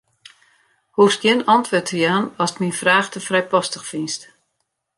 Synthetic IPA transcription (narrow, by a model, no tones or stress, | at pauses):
huːfsɡjɪnɔntʋotʰəjaːnɔstminfraːxtəfrɛjpɔstəxfinst